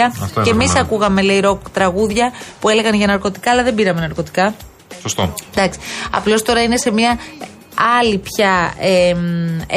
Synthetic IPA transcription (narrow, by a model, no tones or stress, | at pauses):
ɐe̞misɐkuɣɐme̞leiɾo̞kt̪ɾɐɣuðʝɐpue̞le̞ɣɐnʝɐnɐɾko̞t̪i̥kɐːlɐðe̞biɾɐme̞nɐɾko̞t̪i̥kɐ | sost̪od̪ɐksi̥ɐ̰plo̞st̪o̞ɾɐine̞se̞miɐ | ɐlipçɐem